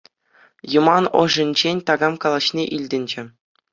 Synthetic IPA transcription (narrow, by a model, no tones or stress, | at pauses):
jumɑnɤ̰̆ʐɘ̆nʲd͡ʑenʲt̪ɑɡɑmkɑlˠɑɕnʲeʔilʲdʲɘ̆nʲd͡ʑɘ̆